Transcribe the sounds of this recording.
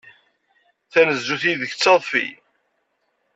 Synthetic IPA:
θænəzːuθiðəçt͡sːɑðˤfḭ

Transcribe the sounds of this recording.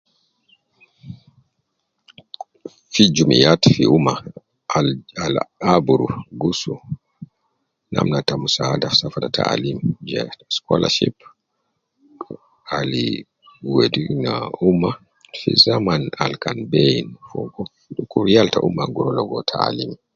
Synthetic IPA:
fid͡ʒumijatfiuma | alabuɾuɡusu | na̰mnatamusaːdafsafadatʰa̰alimd͡ʒɛskɔlʔa̰ʃip | ali | wedinaumːa | fḭzamanalkanbeinfɔɡɔ | kuɾjaltaʔumːaɡuɾɔlɔɡɔtʰaalimi

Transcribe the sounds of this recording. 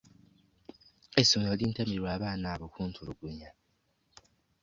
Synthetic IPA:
esuŋoliːntamiɾiɾwaːβaːnaːβokuːntʰuluɡuɲa

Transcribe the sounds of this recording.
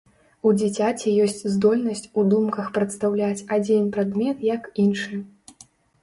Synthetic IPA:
ud͡zʲit͡sʲat͡sʲɛjɔsʲt͡sʲzd̪ɔlʲnɐsʲt͡sʲud̪umkɐxpɾɐt̪st̪awlʲat͡sʲad͡zʲinpɾad̪mʲɛt̪jɐkinʂɨ

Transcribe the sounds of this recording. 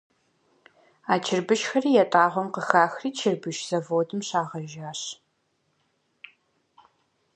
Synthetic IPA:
aːt͡ʃʰɪrbɨʃxɐriːjɛtʼaːʁʷɔmqəxaːxriːt͡ʃʰɪrbɨʃz̥ɐvoːdʰɨmɕaːʁɐʒaːɕ

